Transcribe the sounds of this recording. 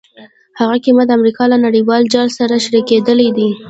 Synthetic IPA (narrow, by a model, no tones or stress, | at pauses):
haɣakimat̪d̪əamɾikɑlanaɽiwɑld͡ʒɑlsaɾaʃaɾiked̪əlid̪i